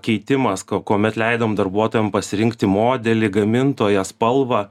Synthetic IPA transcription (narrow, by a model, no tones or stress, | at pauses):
kʲɛɪt̪ʲɪmɐskokoːmʲɛt̪lʲɛɪd̪ɐmd̪ɐrbuɔt̪oːjɛmpɐsʲɪɾʲɪŋkt̪ʲɪmoːd̪ʲɛlʲɪɡɐmʲɪnt̪oːjɛspɐlˠʋɐ